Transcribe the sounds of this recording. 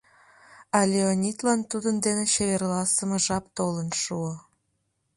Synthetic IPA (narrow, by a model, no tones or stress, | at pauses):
ɑlʲeonʲit̪lɑnt̪ud̪ənd̪eneɕeβerlɑsə̆mə̆ʒɑp̚t̪olə̆nʃuo